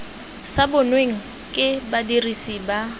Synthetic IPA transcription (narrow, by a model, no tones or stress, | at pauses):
sabʊnweŋ̩ | kʼɪbadirisiba